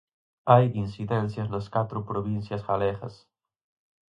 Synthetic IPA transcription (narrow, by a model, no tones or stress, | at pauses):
ajinsiðɛnθjɐznɐskat̪ɾʊpɾoβin̟θjɐsɣalɛɣɐ̰s